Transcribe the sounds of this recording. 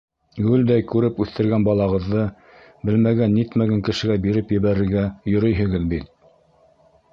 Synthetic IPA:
ɡʉld̪æjkʉɾɘpʉθt̪ɘ̆ɾɡænbɑlˠɑʁɤ̆ðːɤ | bɘlmæɡænːit̪mæɡæŋkɘ̆ʃɘ̆ɡæbiɾɘpjɘ̆βæɾɘ̆ɾɡæjŏɾɤjɦɘ̆ɡɘðbit̪̚

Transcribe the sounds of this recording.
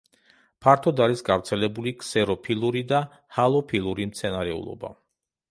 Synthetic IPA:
pʰaɾt̪ʰɔd̪aɾisɡavɾt̪sʰɛlɛbuliksɛɾɔpʰilˠuɾid̪a | halˠɔpʰilˠuɾimt̪sʰɛnaɾɛṵlˠɔ̰ba̰

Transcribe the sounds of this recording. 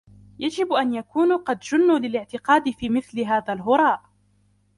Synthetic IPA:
jad͡ʒɪbʔanjakuːnqɑd̪d͡ʒʊnːuːlɪlɪʕt̪ɪqɑːd̪ɪfiːmɪθlɪɦaːðalɦʊɾˤɑːʔ

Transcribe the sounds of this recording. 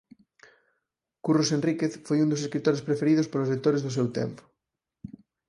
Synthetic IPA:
kurosenrikeθfojund̪os̬eskɾit̪oɾespɾefeɾiðospoɾozlekt̪oɾezðʊsewt̪ɛ̰mpʊ̥

